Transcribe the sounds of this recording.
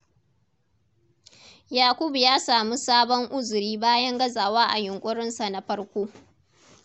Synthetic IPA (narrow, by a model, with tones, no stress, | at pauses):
jaː˨kʷʊ˦bjaː˦saː˨mu˦saː˦bɔ˦ŋʔʊ˦zʊ˨ɾiː˦baː˦jɐ˦ŋɡɐ˦zaː˨waː˦ʔa̰˨jʊ˨ŋkʷʼʊ˦ɽɪ˦nsa˨na˦ɸɐ˦ɽkʷoː˦